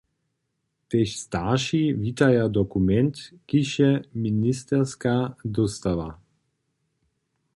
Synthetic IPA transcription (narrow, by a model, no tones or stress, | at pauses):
t̪ɛʃst̪aʃivit̪ajad̪ɔkumɛnt̪kiʃɛminist̪ɛɾskad̪ɔst̪ava